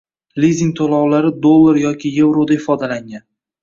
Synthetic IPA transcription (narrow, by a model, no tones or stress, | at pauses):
lizʲiŋt̪ʰolˠɒwlaɾɪd̪olˠːaɾjɒkʲʰɪje̞vɾod̪aɪfɒd̪alaŋan